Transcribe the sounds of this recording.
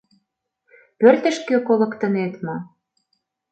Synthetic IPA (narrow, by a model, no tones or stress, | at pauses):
pørt̪ə̆ʃkøkolɤ̆kt̪ə̆net̪mo